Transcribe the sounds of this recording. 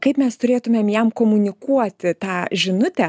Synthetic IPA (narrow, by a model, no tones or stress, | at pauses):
kɐɪpmʲɛst̪ʊɾʲeːt̪ʊmʲeːmjɛmkoːmʊnʲɪkuɔt̪ʲɪt̪ɑːʒʲɪnʊt̪ʲɛ